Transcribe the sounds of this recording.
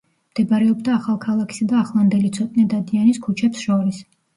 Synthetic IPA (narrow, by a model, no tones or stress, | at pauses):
md̪̥ɛbaɾɛɔbd̪aːχalˠkʰalˠakʰi̥sad̪aːχlˠand̪ɛlit̪sʰɔt̪ʼnid̪ad̪ianiskʰut͡ʃʰɛpsʃɔɾis